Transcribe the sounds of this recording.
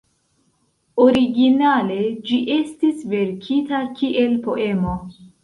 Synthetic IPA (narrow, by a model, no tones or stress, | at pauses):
oɾiɡinale̞d͡ʒiʔe̞stisve̞ɾkʰitakiʔe̞lpo̞ʔe̞mo̞